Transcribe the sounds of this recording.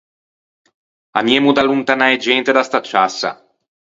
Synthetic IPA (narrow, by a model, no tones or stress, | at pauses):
a̰miemud̪alunt̪anaed͡ʒɛnt̪ed̪ast̪at͡ʃːasːa̰